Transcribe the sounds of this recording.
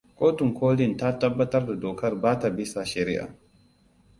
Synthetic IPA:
koː˦tu˨ŋkʰo˦li˦nta˦tɐ˦bːɐ˦tɐ˦rda˨dɔː˨kɐ˦ɾbaː˦ta˨bi˦sa˨ʃɛ˨ɾḭ˦ʔa̰˨

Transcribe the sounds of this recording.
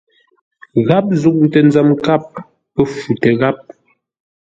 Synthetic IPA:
ɣa˦p̚zu˦k̚ŋ˨tɛ˨n˦d͡zɛ˨mka˦p̚ː | ə˦fu˨tɛ˨ɣa˦p̚

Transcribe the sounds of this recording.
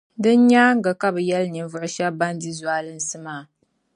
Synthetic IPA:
dɨ˦nɲaː˦ŋ̩˦ɡa˨ka˦bɨ˨jɛ˦lɲɨ˨nvʊ˨ʔʊ˦ʃa˦ba˦ndi˦zwaː˦lɨ˦n˦sɨ˦maː˨˦˨

